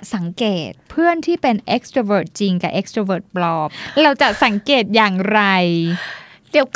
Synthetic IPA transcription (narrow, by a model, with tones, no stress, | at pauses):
sa˩˦ŋkeː˨˩t̪̚pʰɯ˥˩ənt̪ʰiː˥˩pe˧nʔe˦˥k̚st̪ɾaː˧wɤː˨˩t̪̚t͡ɕi˧ŋka˨˩ʔe˦˥k̚st̪ɾa˧wɤː˨˩t̪̚plɔː˧˥˩p̚ɾa˧wt͡ɕa˨˩ʔsa˩˦ŋkeː˨˩t̪̚jaː˨˩ŋɾa˧j | diː˨˦əwk